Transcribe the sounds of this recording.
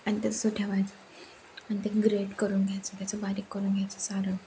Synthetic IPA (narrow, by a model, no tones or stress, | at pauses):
anit̪esoʈʰjeʋajt͡sə | anit̪eɡɾeʈkəɾuːnɡʱjajt͡sət̪jat͡səbaɾikːəɾuːnɡʱjajt͡səsaɾə